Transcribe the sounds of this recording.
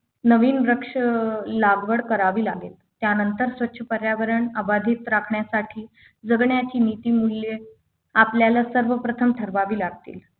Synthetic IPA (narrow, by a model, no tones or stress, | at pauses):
nəʋiːnɾəkʂəlaɡʋəɽkəɾaʋiːlaɡet̪t̪janənt̪əɾsʋətːɕʰəpəɾjaʋəɾəɳəbad̪ʱiːt̪ɾakʰɳjasaʈʰiː | d͡zəɡɳjat͡ɕiːnit̪iːmulːje | apljalasəɾʋəpɾət̪ʰəmt̪ʰəɾʋaʋiːlaɡ̚t̪ḭːl